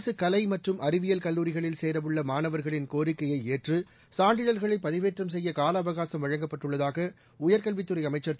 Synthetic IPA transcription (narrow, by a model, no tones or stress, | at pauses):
sɯkɐlɐɪmɐʈrɯmɐɾɪʋɪjɐlkɐlːuːɾɪɣɐɭɪlseːɾɐʋɯɭːɐmaːnɐʋɐɾɣɐɭɪnkoːɾɪkːɐjɐɪeːʈrɯ | saːɳɖɪɻɐlɣɐɭɐɪpːɐðɪʋeːʈrɐmsɛjːɐkaːlɐːʋɐɣaːsɐmʋɐɻɐŋɡɐpːɐʈːɯɭːɐðaːɣɐ | ʊjɐɾkɐlʋɪt̪ːɯɾɐɪɐmɐɪt͡ʃːɐɾt̪